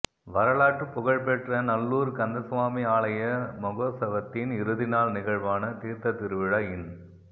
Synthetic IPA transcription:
ʋɐɾɐɭaːʈːɯpːʊɣɐɭpɛʈrɐnɐlːuːɾkɐnd̪ɐsʋaːmiaːɭɐjɐmɔɣoːsɐʋɐt̪ːɪnɪɾɯðɪnaːlnɪɣɐɻʋaːnɐt̪iːɾt̪ɐt̪ːɪɾɯʋɪɻɐɪn

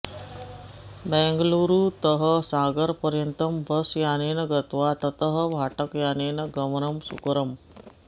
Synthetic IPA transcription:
bɛ̃ːŋɡluːɾuːt̪əɦəsaːɡəɾpəɾjənt̪ɐmbɐsjaːneːnɐɡɐt̪ʋat̪ɐt̪əɦə̆ʋʱaːʈəkjaːneːnɐɡɐmnɐmsṵkɾɐm

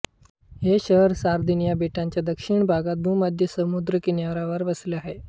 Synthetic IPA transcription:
ɦeɕəɦɾsaɾd̪ʱinijabeʈaɲt͡ɕjad̪əkʂiɳbʱaɡat̪̚bʱuməd̪ʱjəsəmud̪ɾəkinjaʋɾaʋəɾʋəsleaɦe

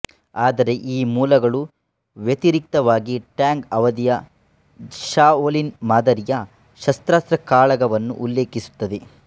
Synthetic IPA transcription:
aːd̪ɐɾe̞ʔiːmuːlɐɡɐɭu | ʋjet̪iɾik̚t̪ɐʋaːɡiʈjaːŋɡɐʋɐd̪ijɐ | ʃaːoːlinmaːd̪ɐɾijɐ | ʃɐst̪ɾaːst̪ɾɐkaːɭɐɡɐʋɐnːṵʔːlːe̞ːkisu̥t̪ːɐd̪e̞

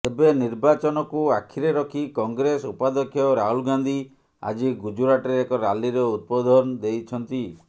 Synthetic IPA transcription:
ebeniɾbat͡ʃɔnɔkuakʰiɾeɾɔkʰikɔŋɡɾesupad̪ɔkʰjɔɾaɦulɡand̪ʱi | a̰d͡ʒiɡud͡ʒuɾaʈɔeekɔɾaliɾɔut̪̚pɔd̪ʱɔnd̪ejt͡ʃʰɔnt̪i

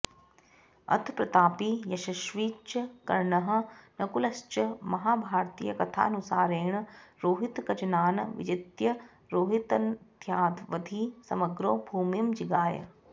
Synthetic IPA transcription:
ɐ̰t̪ʰpɾɐt̪aːpijɐʃɐʃʋiːt͡ʃɐkɐ̰ɾɳɐɦɐ̆nɐkulɐst͡ʃɐmɐɦaːbʱaːɾt̪iːjɐkɐt̪ʰa̰ːnusaːɾeːɳɐɾoːɦit̪kɐt͡ʃɐnaːnɐʋḭd͡ʒɐt̪jɐ | ɾoːɦit̪ɐnd̪ʱjaːd̪ʰʋɐd̪ʱiːsɐmɐɡɾoːbʱuːmjɐmd͡ʒiɡaːjɐ̰

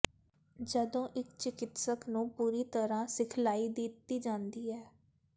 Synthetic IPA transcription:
d͡ʒəd̪õːʔɪkt͡ʃɪkɪt̪səknũːpuːɾiːt̪əɾãːsɪkʰlaːiːd̪ɪt̪ːiːd͡ʒãːnd̪iːɛː

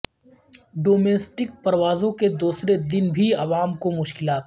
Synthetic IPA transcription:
ɖoːmeːsʈɪk̚pɐɾʋaːzõked̪uːsɾed̪ɪnbʱiɐʋaːmkomʊʃkɪlaːt̪

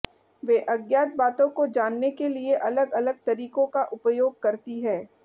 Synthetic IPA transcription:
ʋeːʔɐɡjaːt̪̚baːt̪õkod͡ʒaːnːekelieʔɐləɡɐləɡ̚t̪ɐɾiːkõkaʔʊpjoːɡ̚kɐɾt̪iɦɛː

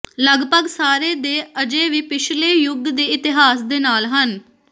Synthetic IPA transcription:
ləɡpəɡsaːɾeːd̪eːəd͡ʒeːʋiːpɪt͡ʃʰleːjʊɡd̪eːɪt̪ɪɦaːsd̪eːnaːlɦən

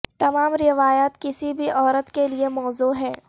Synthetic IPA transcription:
t̪ɐmaːmɾɪʋaːjaːt̪kɪsibʱiʔɔːɾət̪keliemɔːzuːɦɛ̃ː

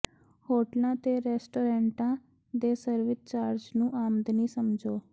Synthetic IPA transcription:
hoːʈlãːt̪eɾeːsʈoːɾẽːɳʈãː | d̪eːsəɾʋɪt̪̚t͡ʃaːɾd͡ʒnũːʔaːmd̪niːsəmd͡ʒoː

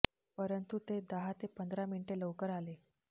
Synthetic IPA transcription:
pəɾənt̪ut̪ed̪əɦat̪epənd̪ʱɾamiɳiʈeləʋkəɾale

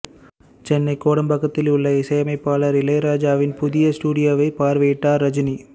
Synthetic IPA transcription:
t͡ʃɛnːɐɪkːoːɽɐmbɐɣːɐt̪ːɪlʊɭːɐɪsɐjɐmɐɪpːaːlɐɾɪlɐɪɾaːd͡ʒaːʋɪnpʊðɪjɐsʈuːɽɪjɐːʋɐɪpaːɾʋɐjɪʈːaːɾːɐd͡ʒɪni

